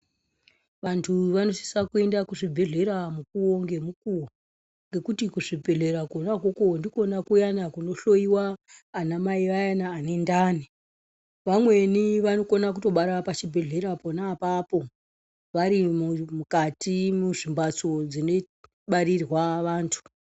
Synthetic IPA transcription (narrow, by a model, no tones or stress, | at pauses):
ʋantʰuʋano̞si̥sakue̞ndakuʐibʱe̞ɮe̞ɾamukuoŋɡe̞mukuwo | ŋɡe̞kutikuʐibʱe̞ɮe̞ɾakonakokondiko̞nakujanakuno̞ɬo̞iwaːnamaiʋajanaːne̞ndaːni | ʋamwe̞niʋano̞konak̬uto̞ɓaɾapat͡ʃibʱe̞ɮe̞ɾaponaːpapo̞ | ʋaɾimmukatimuʐimbat͡sod͡zine | ɓaɾirwaʋaːntʰu̥